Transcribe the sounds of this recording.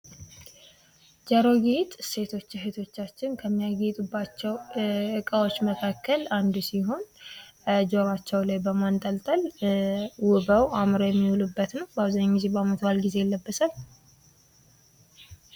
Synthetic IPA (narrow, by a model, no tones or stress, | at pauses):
d͡ʒəɾo̞ɡit̪ʼse̞t̪ʰo̞t͡ʃːɦet̪ʰo̞t͡ʃːat͡ʃːɪnkʰəmːijaɡit̪ʼubːat͡ʃːɛwɨkʼawo̞t͡ʃːməkʰakːəland̪usiɦo̞n | d͡ʒo̞ɾat͡ʃːɛwlajbəmant̪ʼəlt̪ʼəl | wʊbəwamɾojɛmːihulubːət̪nəwbaβzaɲɪŋɡize̞bamət̪ʰbalɡize̞jɛlːəbːəsal